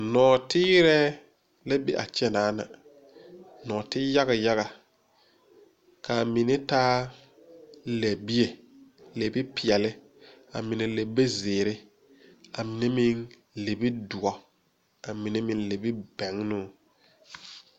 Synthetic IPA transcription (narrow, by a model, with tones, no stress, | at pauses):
nɔː˨tɪː˦ɾɛ˦ | la˦bi˨ʔa̰˨t͡ʃɛ˦naː˨˦na̰˨ | nɔː˨tɪ˦ja˦ɣa˨ja˦ɣa˨ | ka˨mɪ˨nɛ˦taː˦ | lɛ˨bi˦e˨ | le˨bi˦pɪ˨ɛ˨lɪ˦ | a̰˨mɪ˨ne˨le˨be˦zɪː˨ɾɪ˦ | a˨mɪ˨ne˦mɪ˨n | le˨bi˦du˨ɔ˨ | a˨mɪ˨ne˦mɪ˨nle˨bi˦bɛ˨ŋnʊ˦